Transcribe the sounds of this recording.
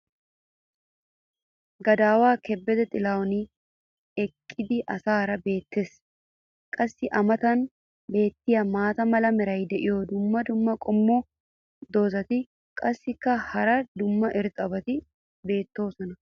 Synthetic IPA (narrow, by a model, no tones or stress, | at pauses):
ɡɐd̪aːwaːkɛbːɛd̪ɛt̪ʼɪlaːɔni | ɛkʼːɪd̪ɪʔɐsaːɾɐbe̞ːt̪ːeːs | kʼɐsːɪʔɐmɐt̪ɐn | be̞ːt̪ːɪjɐmaːt̪ɐmɐlɐmɪɾɐjd̪ɛʔɪjod̪ʊmːɐd̪ʊmːɐkʼɔmːoː | d̪o̞ːzɐt̪ɪ | kʼɐsːɪkːɐhɐɾɐd̪ʊmːɐʔɪɾt̪ʼɐbɐt̪ɪ | be̞ːt̪ːo̞ːsɔnɐ